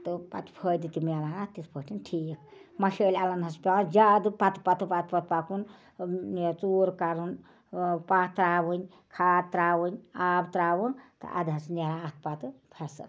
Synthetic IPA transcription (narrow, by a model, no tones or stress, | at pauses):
t̪ɨpa̰t̪pʰəd̪it̪imalaɾat̪it̪pʰəʈʰinʈʰiːkmɐʃəːlʲalɐnɦɐspʲaːnd͡ʒad̪ɨpat̪pat̪upat̪ʰpɐt̪̚pakun | t͡suɾkaɾun | pat̪ɾaːbɨnʲ | kʰat̪ɾaːwɨnʲaːbt̪ɾaːʋunt̪ɨ̰ʔa̰d̪ɦɐsneɾat̪̚ʰpat̪ɨpʰesɐ̰l